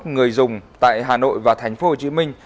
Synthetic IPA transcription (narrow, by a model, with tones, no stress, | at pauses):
t̚ŋɨ˨˩əjzʊ˨˩ŋ͡mt̪a̰ː˧˨jɦaː˨˩no̰˧˨jvaː˨˩t̪ʰɛ˨˩jŋ̟fo˧˦ho˧˩t͡ɕi˧˦mï˧ŋ̟